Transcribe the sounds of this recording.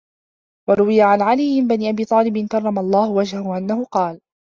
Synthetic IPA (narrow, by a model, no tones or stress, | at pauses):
wɑɾˤʊwɪjaʕanʕalijmɪnbaniːʔabiːt̪ˤɑːlɪbɪnkɑrˤːɑmalˤːɑːhʊwad͡ʒhahʊʔanːahʊqɑːl